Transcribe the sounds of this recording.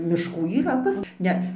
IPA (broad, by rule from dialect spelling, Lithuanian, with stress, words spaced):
mʲɪʃˈkuː iːˈrɐ pɐs ˈnʲɛ